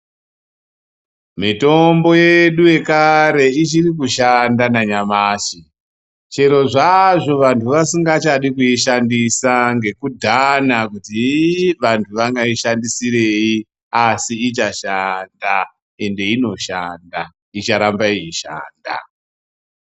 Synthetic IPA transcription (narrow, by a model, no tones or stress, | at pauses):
mito̞mbo̞jeɗuje̞kaɾe̞it͡ʃirikuʃandanaɲamaːʃi | t͡ʃe̞ɾo̞ʐaʐo̞ʋantʰuʋasiŋɡat͡ʃaɗikuiʃandisaŋɡe̞kudʱanakutiʋantʰuʋaŋɡaiʃandisireji | asiːt͡ʃaʃanda | e̞nde̞ino̞ʃaːnda | it͡ʃaɾambaiiʃa̰ːnda̰